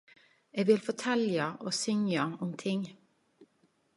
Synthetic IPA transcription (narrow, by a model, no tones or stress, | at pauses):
eːɡʋɪlfɔʈʰɛljɑʔoːsʏŋɑʊmt̪ʰɪŋ